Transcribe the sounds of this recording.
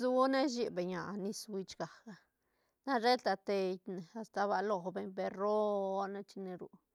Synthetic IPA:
zu˦ne˦ʃi˧be˨ɲa̰˨ni˦swi˧t͡ʃɡa˨kɡa˧ | na˦ɾe˦t̪a˧t̪e˧jt̪ne˨a˧st̪a˧βa˧lo˧˨be˧ɲbe˧ro˦ne˦t͡ʃi˧ne˧ɾṵ˨

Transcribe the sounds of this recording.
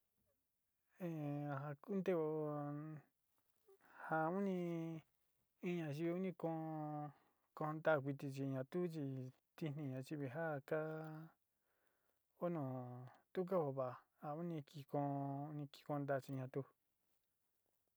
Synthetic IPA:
ẽ˧˨ɦa˧ku˦nt̪e˦o˧ | ha˧u˦nĩ˧ | i˦˧ɲã˨˧t͡ʃi˧i˧u˦nĩ˧kõ˧˦˧ | kõ˧nd̪a˦˨kʷi˧t̪̬i˧t͡ʃi˧˨˧ɲã˨˧t̪u˦t͡ʃi˧ | t̪i˧nĩ˧ɲã˨t͡ʃi˧βi˧ɦa˦˨ka˦ | o˦nõ˨t̪u˦k̬a˦ho˧˨βa˨ha˧u˦nĩ˧ki˧kõː˧u˦nĩ˧ki̥˧kõ˧nd̪a˦˧˨t͡ʃi˧ɲã˧t̪u˧

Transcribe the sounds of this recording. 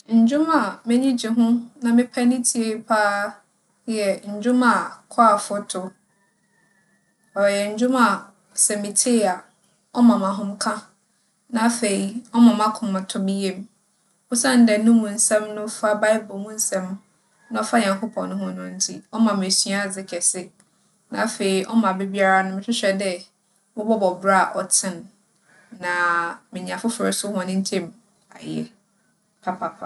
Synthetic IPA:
ɲ̩˨d͡ʑᶣʊ̃˦ma˨mɪ̃˦ɲĩ˦d͡ʑi˨ɦʊ̃˦nã˨mɪ̃˦pʰa˦nɪ̃˦tʰi˨e˨i˦pʰaː˦ | ɛ˨ɲ̩˨d͡ʑᶣʊ̃˦mã˨kʰɔ˦a˨fʊ˦tʰʊ˨ | ɔ˨jɛ˨ɲ̩˨d͡ʑᶣʊ̃˦ma˨ | sɛ˨mĩ˨tʰe˦˨a˨ | ɔ˦mã˨mã˨ɦʊ̃˦mkʰã˦ | nã˦fe˨i˨ɔ˦mã˨mã˦kʰʊ̃˨mã˨tʰʊ˨˦bi˦je˦m | ɔ˦sã˦˨n˦dɛ˨nũ˦mũ˨n̩˦sɛ̃˦mnʊ̃˦fa˦ba˦ɪ˦bɔ˨mũ˦n̩˦sɛ̃˦m | nã˦ɔ˦fa˦ɲã˨ŋkʰʊ˦pʰɔ̃˨nːʊ̃˦hʊ̃˦nʊ̃˦n̩˦tʰi˦ɔ˦mã˨m˨æ˨sɥa˦˨d͡zɪ˦kʰɛ˨sɪ˦ | nã̰˨a˦fe˨i˨ʔɔ˦mã˨be˦bi˦a˦ɾa˦nʊ̃˦mɪ̃˦t͡ɕʰɪ˦ɕᶣɛ˨dɛ˦ | mɔ̃˦bɔ˦bɔ˨bɾa˦˨ʔɔ˨tʰɪ̃˦nː | ã˨mɪ̃˨ɲ˨ã˨fʊ˦fʊ˨ɾɪ˨sʊ˦hɔ̃˨nɪ̃˦n˦tʰẽ˦m | a̰˨jɛ̰˦ | pʰa˦pʰa˨pʰa˨

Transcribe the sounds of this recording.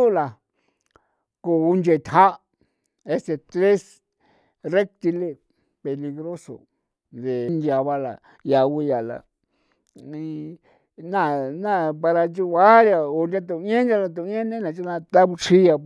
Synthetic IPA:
u˦la˨ | ko˧˨u˧nd͡ʒe˧˨˧t̪ha˦ | e˦st̪e˧t̪ɾe˦s | re˦k̚t̪i˧le˧ | pe˧li˧ɣɾo˦so̰˨ | nd̪e˨˧nd̪ja˧βa˧la̰˨ | ja˨wi˧ja˨la̰˧ | ĩ˧ | nã˦˨nã˦˨pa˧ɾa˧t͡ʃu˦˧βa˦ɾja˧o˧nd̪ʲa˧t̪ũ˧˦ẽ˦nd̪ʲa˧la˧t̪̬u˧˦ẽ˦nẽ˦nã˧t͡ʃu˦nã˧t̪a˦βu˧t͡ʃi˦ja˧

